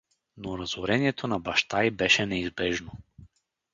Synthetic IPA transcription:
noɾazoɾɛniɛt̪ʰonabaʃt̪ajbɛʃɛnɛizbɛʒno

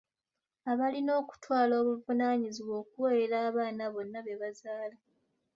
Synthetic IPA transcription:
aβalino̞ːku̥twaːlo̞ːβuvunaːɲiziβo̞ːkuweeɾaːβaːnaβo̞nːaβe̞βazaːla

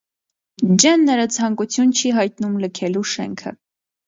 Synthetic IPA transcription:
d͡ʒɛnːəɾɑt͡sʰɑŋkut͡sʰjunt͡ʃʰiɦɑjt̪numləkʰɛluʃɛ̰ŋkʰə̰

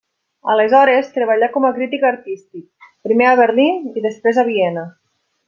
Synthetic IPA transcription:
əlezɔɾest̪ɾeβ̞aʎakɔmakɾit̪ikaɾt̪ist̪ik̚pɾimeaβ̞eɾliniðespɾezaβ̞iɛnə

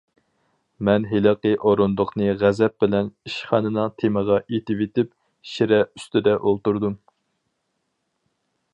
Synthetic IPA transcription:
mɛnɦelɨqəʔoɾond̪ʊqnɨʁæzɛp̚bɪlɛniʃχɑːnɨnɨŋt̪ʰeməʁɑʔet̪ɪvet̪ɪp | ʃiɾɛyst̪ɪd̪ɛʔolˠt̪uɾd̪um

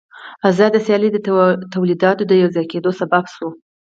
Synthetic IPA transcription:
azɑd̪asjɑlid̪ət̪awlid̪ɑt̪od̪əjawzɑjked̪osababso

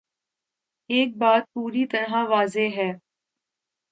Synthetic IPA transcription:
eːk̚baːt̪̚puːɾit̪ɐɾɦãʋaːzeɦɛː

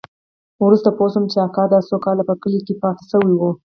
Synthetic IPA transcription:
wɾust̪aposəmt͡ʃeɑkɑd̪asokɑlapəkəlikepɑt̪ɪ̥səwiwu

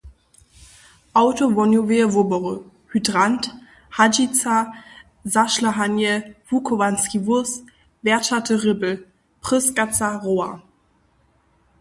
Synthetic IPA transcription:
ʔaʊtovɔnjovevʊbɔʁə | hydʁant | had͡ʒit͡sa | zaʃlaɦanjəvukʰovanskivʊs | b̥ɛɐʃatʰəʁɪbl̩ | pʁ̥ɪsɡ̥at͡saʁoːa

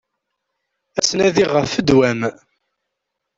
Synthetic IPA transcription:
æt͡sːnæðiʁəfəd̪wæm

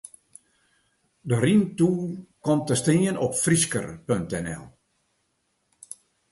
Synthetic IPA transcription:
dərintuːkɔmtəstiənɔpfriskə̰rpøŋtɛnɛ̰lˠ

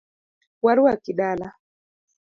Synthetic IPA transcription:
waɾuwakiɗala

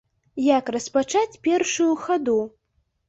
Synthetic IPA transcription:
jakrɐspat͡ʂat͡sʲpʲɛrʂujuxad̪u

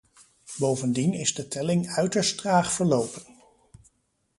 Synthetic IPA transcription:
bowvəndinɪzdətʰɛlɪŋœɥtəɹstraːχfəɹlowpən

